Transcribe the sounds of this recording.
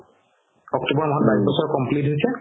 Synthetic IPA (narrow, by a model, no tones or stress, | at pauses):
ɔk̚tubɔɹmɔɦɔtbajsbɔsɔɹkɔmplitɦojsɛ